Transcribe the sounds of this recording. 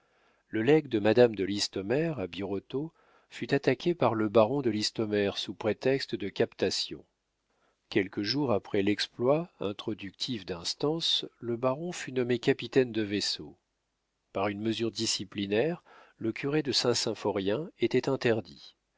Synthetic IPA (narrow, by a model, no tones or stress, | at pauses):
ləlɛɡd̪əmad̪amd̪əlist̪ɔmɛʁabiʁɔt̪o | fyt̪at̪akʲʰepaʁləbaʁɔ̃d̪əlist̪ɔmɛʁsupχet̪ɛkst̪əd̪əkʲapt̪asjɔ̰̃ | kʲɛlkəʒuʁapχɛlɛksplwaɛ̃t̪χɔd̪yk̚t̪ʰifd̪ɛ̃st̪ɑ̃sləbaʁɔ̃fynɔmekapit̪ɛnd̪əveso | paʁynməzyʁd̪isiplinɛʁləkʲyʁed̪əsɛ̃sɛ̃fɔʁjɛ̃et̪ɛt̪ɛ̃t̪ɛʁd̪i